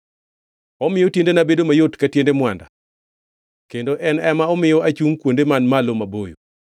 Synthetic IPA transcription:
ɔmɪjɔtjendenabedomajotkatjendemwanda̰ | kendoʔɛnɛmaɔmɪjɔat͡ʃuŋkwondemanmalomabojo̰

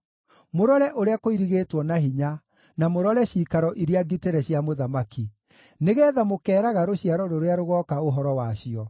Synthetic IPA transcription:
moɾɔɾɛʔoɾeakoiɾiɣeːtwɔnaɦiɲa | namoɾɔɾɛɕiːkaɾɔʔiɾeaɡiteɾɛɕjamoðamaki | neɣɛːðamokɛːɾaɣaɾoɕiaɾɔɾoɾeaɾoɣɔkaoɦɔɾɔwaɕiɔ

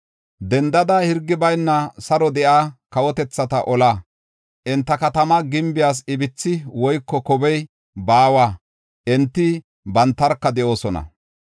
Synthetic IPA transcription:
d̪ɛnd̪ɐd̪ɐhɪɾɡːɪbɐjnːɐsɐɾɔd̪ɛʔakɐwɔt̪ɛt͡sːɐt̪ɐʔɔla | ʔɛnt̪ːɐkɐt̪ɐmɐɡɪmbɪjaːs̬ɪbɪt͡sːɪwɔjkːɔkɔbɛj | baːwaː | ʔɛnt̪ːɪ | bɐnt̪ːɐɾkːɐd̪ɛʔo̞ːsɔnɐ̰

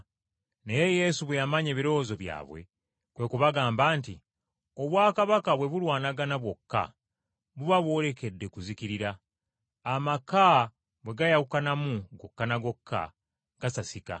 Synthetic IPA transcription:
ne̞je̞je̞ːsuβwejamaɲe̞ːβiɾo̞ːzo̞βja̰ːβwe̞̰ | kwe̞kuβaɡaːmbaːnti | o̞βwaːkaβakaβwe̞βulwaːnaɡanaβwo̞kːa̰ | βuβaβwo̞ːle̞ke̞dːe̞kuzikiɾiɾaː | maka | βwe̞ɡajaukanamuɡo̞kːanaɡo̞kʰːa̰ | ɡ̥asasika̰

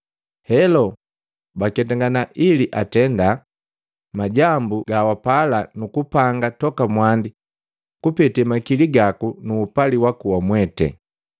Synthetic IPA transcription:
hɛlɔ | bakɛtaŋɡanaʔiliʔatɛnda | maɟambuɡawapalanukupaŋɡatɔkamwandi | kupɛtɛmakiliɡakunuːpaliwakuwamwɛtɛ̰

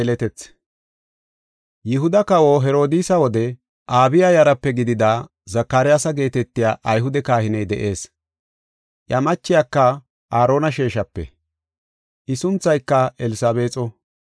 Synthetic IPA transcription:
ɛlɛt̪ɛt͡sː | jɪɦʊd̪ɐkɐwoːɦɛɾo̞ːd̪iːsɐwɔd̪ɛ | ʔaːbɪjajɐɾɐpːɛɡɪd̪ɪd̪aː | zɐkːaɾɪjaːsɐɡe̞ːt̪ɛt̪ːɪjaːʔɐjɦʊd̪ɛkaːhɪnɛjd̪ɛ̰ʔe̞ːs | ʔjɐmɐt͡ʃːɪjaːkːɐ | ʔaːɾo̞ːnɐʃeːʃɐpːɛ̰ | ʔɪsʊnt͡sːɐjkːɐɛlɪsaːbe̞ːt͡sʼɔ

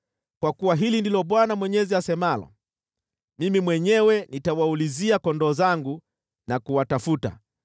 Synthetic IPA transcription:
kwakuwaɦilindilɔɓwanamwɛɲɛziasɛmalɔ̰ | mimimwɛɲɛwɛnitawauliziakɔndɔːzaŋɡu | nakuwatafuta̰

